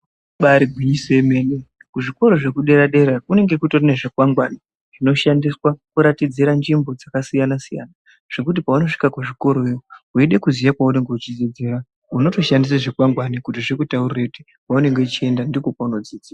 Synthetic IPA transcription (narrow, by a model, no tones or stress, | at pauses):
ɓaɾiɡʱwiɲiseme̞ne | kuʐiko̞ɾo̞ʐe̞kuɗe̞ɾaɗe̞ɾakune̞ŋɡe̞kuto̞rineʐekwaŋɡwani | ʐ̥ino̞ʃandiswakuɾatid͡ziɾand͡ʒimbo̞d͡zakasijanasija̰na | ʐ̥e̞kut̬ipauno̞ʂi̥kakuʐiko̞ɾojouiɗe̞kuzijakwaune̞ŋɡe̞ut͡ʃid͡zid͡zeɾa | uno̞to̞ʃandisaʐekwaŋɡwanikutiʐekutaurirakuti̥ | kaune̞ŋɡe̞ut͡ʃie̞ndandikokauno̞d͡ziːd͡zia